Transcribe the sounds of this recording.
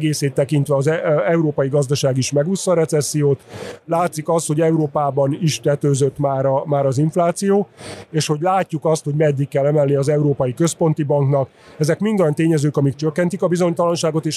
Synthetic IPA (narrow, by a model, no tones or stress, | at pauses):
ɡeːseːt̪ːɛkint̪ʋɛɒzɛɛuɾoːpɒjiɡɒzd̪ɒʃaːɡiʃmɛɡusːɒɾɛt̪sɛsːijoːt̪laːt̪sikɒst̪ho̞ɟɛuɾoːpaːbɒniʃt̪ɛt̪øːzøt̪maːɾɒmaːɾɒziɱflaːt̪sijoːeːʃho̞ɟlaːcːukɒst̪ho̞ɟmɛd̪ːikːɛlːɛmɛlniɒzɛuɾoːpɒjikø̞spo̞nt̪ibɒŋknɒk | ɛzɛkmind̪ojɒnt̪eːɲɛzøːkɒmik̚t͡ʃøkːɛnt̪ikɒbizo̞ɲt̪ɒlɒnʃaːɡo̞t̪eːʃ